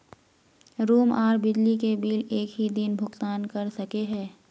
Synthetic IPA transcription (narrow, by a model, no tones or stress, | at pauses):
ɾuːmaːɾbɪd͡ʒlikebiːleːkɦid̪ɪnbʱʊkt̪aːnkɐɾsɐkeɦɛ̃ː